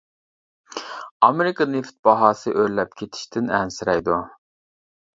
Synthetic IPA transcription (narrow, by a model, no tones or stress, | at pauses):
ɑmeɾɪkɑneft̪̚b̥ɑɦɑːsɨʔøɾlɛp̚kʲʰet̪ʰɪ̥ʃt̪ʰɪnɛnsɪɾɛjd̪u